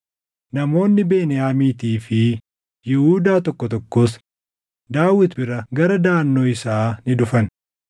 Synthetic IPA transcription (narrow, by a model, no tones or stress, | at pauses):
nɐmo̞ːnːɪbeːnɪjaːmiːt̪iːfɪ | jɪhuːd̪aːt̪ɔkːɔt̪ɔkːos | d̪aːwːɪt̪bɪɾɐɡɐɾɐd̪aːnːo̞ːɪsaːnɪd̪ʊfɐn